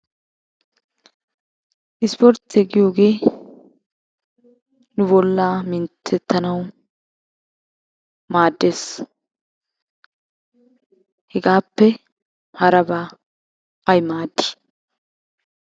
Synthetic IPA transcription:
ʔɪspɔɾt̪ɛɡɪjoːɡe̞ː | nʊbɔlːaːmɪnt̪ʰːɛt̪ːɐnɐw | maːd̪ːeːs | hɛɡaːpːɛ | hɐɾɐbaː | ʔɐjmaːd̪ːɪ̥

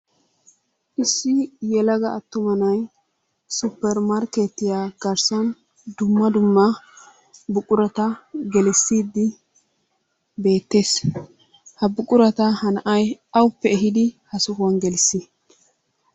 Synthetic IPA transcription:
ʔɪsːɪjɛlɐɡɐːt̪ːʊmɐnɐj | sʊpːɛɾmɐɾket̪ːɪjaːɡ̥ɐɾsɐn | d̪ʊmːɐd̪ʊmːɐ | bʊkʼʊɾɐt̪ɐɡɛlɛsːiːd̪ːɪ | be̞ːt̪ːeːs | hɐbʊkʼʊɾɐt̪ɐhɐnɐʔɐjɐwʊpːɛːɦɪd̪ɪhɐsʊhɐnɡɛlɪsːɪ

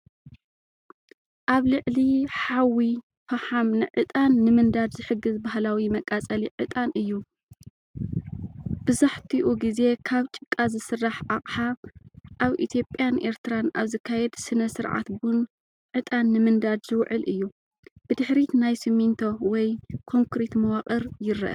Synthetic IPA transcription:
ʔaβlɨʕliħawi | faħamnɨʕɨt̪ʼanːɨmɨnd̪ad̪zɨħɨɡːɨzbahlawimɐkʼat͡sʼɐliʕɨt̪ʼanʔɨjːu | b̥ɨzaħt̪ʰiʔuɡize̞kʰaβt͡ʃʼɨkʼːazɨsɨrːaħʔaqʼħaʔaβʔḭt̪ʰjo̞pʼjanʔe̞ɾt̪ɨɾanʔaβzɐkʰːajɛd̪sɨnɐsɨɾʕa̰t̪bun | ʕɨt̪ʼanːɨmɨnd̪ad̪zɨwʕɨlʔɨjːu | b̥ɨd̪ɨħɾit̪najsɨmint̪ʰowɔjkʰo̞ŋkɾet̪mɐwaqʼɐɾjɪɾːɐ̰ʔɐ̰

